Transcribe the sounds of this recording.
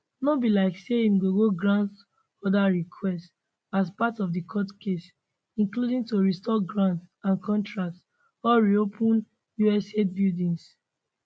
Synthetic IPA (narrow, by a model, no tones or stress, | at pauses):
nɔbilaɪkseĩmɡoɡoɡɹãnt | ɔdaɹikʰwɛst | aspatɔvdikʰɔtkʰes | ĩnkludĩŋtoɹistɔɡɹãntsãnkʰɔ̃ntɹak̚t | ɔɹiopʰũn | juɛset̚bildĩŋs